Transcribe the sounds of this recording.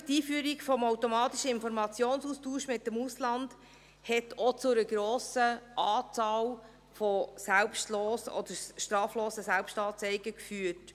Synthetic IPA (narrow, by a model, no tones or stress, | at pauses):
tiːfyːəɾiɡfɔmowtɔmɑːt̪iʃəɪnfɔɾmɑt͡sjoːnsustuːʃmɪt̚ːəmuslɑnd̥ | hɛtʰɔt͡sʊɾəɡ̥ɾoːsəʔɑːt͡sɑːl | fɔsælpʃtloːsɔ̰d̥̪əɾʃtɾɑːfloːsəsælpʃtɑːt͡sɛɪɡəkfyːət